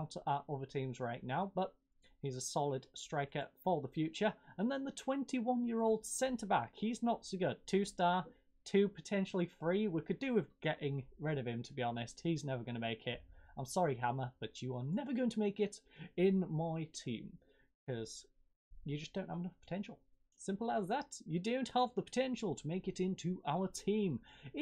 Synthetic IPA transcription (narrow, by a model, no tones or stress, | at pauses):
ʊtəʊvə˞tʰĩmzɹaɪʔⁿnaʊbʌt̚ | hizəsɑlˠɪd̥stɹ̥eɪkə˞fəðəfjʉt͡ʃə˞ə̃nðə̃nðətʰw̥ɛ̃ntʰiwʌ̃njɪɹoʊlˠd̥sɛ̃ntʰə˞bakhiznətsoʊɡʊd̚tʰʉstɑɹ | tʰʉpʰətʰɛ̃nʃl̩ˠifɹiwikɨdɨwɪðɡ̥ɛʔɪ̃ŋɹɪɾʌv̥ɨ̃mtʰəbiɑnɪst̚hiznɛvə˞ɡʌ̃ñəmeɪkʰɪt̚ãɪ̃msɑɹiɦaməb̥ʌt͡ʃəə˞nɛvə˞ɡoʊɪ̃ŋtʰəmeɪkɪɾɪ̃nmaɪtʰḭ̃m | kʰʌz̥ | jɨd͡ʒʌsd̥õʊ̃nʔhəvənʌfpʰə̥tʰɛ̃nʃl̩ˠ | sɪ̃mpl̩ˠaɪzðətɨdõʊ̃nʔhavðəpʰə̥tʰɛ̃nʃəl̩ˠtʰəmeɪkɨɾɪ̃ntʰʉʔaʊətʰĩːm